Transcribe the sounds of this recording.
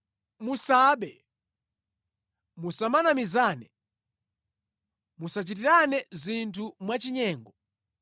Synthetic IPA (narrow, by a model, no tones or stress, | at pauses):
musaːɓɛ | musamanamizaːnɛ | musat͡ʃit̬iɾanɛzintʰumwat͡ʃiɲɛːŋɡɔ